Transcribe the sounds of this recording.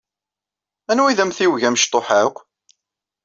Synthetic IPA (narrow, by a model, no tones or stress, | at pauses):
ænwiðæmθiwʝæmʃt̪ˤoħaq